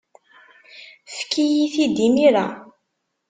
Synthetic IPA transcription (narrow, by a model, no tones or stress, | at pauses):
fkːijiθid̪imiɾa̰